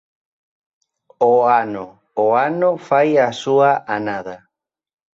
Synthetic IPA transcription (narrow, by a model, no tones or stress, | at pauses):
oanoː | anofajasuaʔanaða